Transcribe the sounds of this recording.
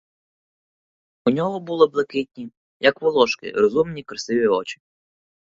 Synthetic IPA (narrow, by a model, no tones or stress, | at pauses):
unʲɔɦɔbulˠɪblˠɐkɪtʲnʲi | jɐkʋɔlˠɔʃkɪ̰ɾɔzumnʲikɾɐsɪʋʲiɔt͡ʃɪ̥